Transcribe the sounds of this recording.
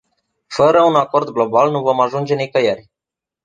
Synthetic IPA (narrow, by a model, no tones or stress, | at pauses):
fəɾəunako̞rd̪ɡlo̞balnuvo̞maʒund͡ʒe̞nikəjerʲ